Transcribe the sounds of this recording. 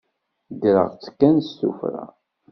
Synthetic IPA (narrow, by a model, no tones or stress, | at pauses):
d̪ɾə̰ʁt͡sːə̥kːænsːṵfɾa̰